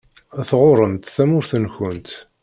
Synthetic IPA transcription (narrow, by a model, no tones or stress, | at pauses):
æθʁoɾˤəmt̪θæmʊɾθənçənt̪